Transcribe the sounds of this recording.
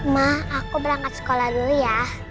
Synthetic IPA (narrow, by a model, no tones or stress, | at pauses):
mahakubəɾaŋat̪sə̥kolahduja